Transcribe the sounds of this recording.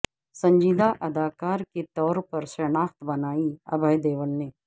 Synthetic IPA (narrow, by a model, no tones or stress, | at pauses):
sɐ̃ɲd͡ʒiːd̪ʱaʔɐd̪aːkaːɾket̪ɔːɾpɐɾsɾɐnaːxt̪bɐnaːiɐ̰bʱəjd̪eːʋəɽneː